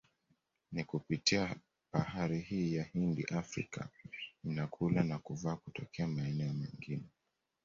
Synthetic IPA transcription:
nikupitia | bahaɾihiːjahindḭʔafɾḭkʰa̰inakʰulanakuvaːkutɔkʰɛamaɛnɛɔmɛŋɡinɛ

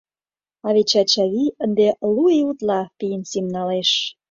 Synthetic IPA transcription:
ɑβet͡ɕɑt͡ɕɑβiənd̪elueut̪lɑpijənsimnɑleʃ

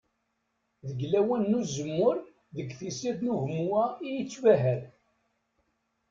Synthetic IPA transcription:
ðəɡlæwænːuzəmːʊɾ | ðəɡθisiðθnuhmuwæijət͡sːvæɦəɾ

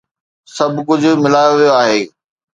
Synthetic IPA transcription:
sɐbʱkʊd͡ʑʱʊ̆mɪlaːjoʋijoaːɦeː

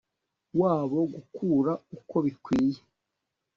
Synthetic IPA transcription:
waːβo̞ɡukʰuːɾauko̞βikwiːje

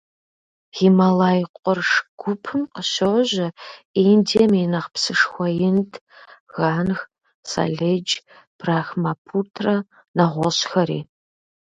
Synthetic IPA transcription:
ximɐlaːjqʷʼɔrʂɡ̥ʷʊpʰɨmqəɕoʒɐindeminɐqpsɨʂxʷɔjɪntʰɣaːnx | sa̰ɮed͡ʒ | b̥raːxmapʰutʰrɐ | nɐʁʷɔɕxɐɾḭː

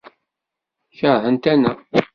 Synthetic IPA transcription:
çəɾhənt̪ænæ

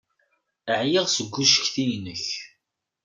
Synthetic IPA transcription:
əʕjɪʁsəɡʷːuʃə̥çθijnəç

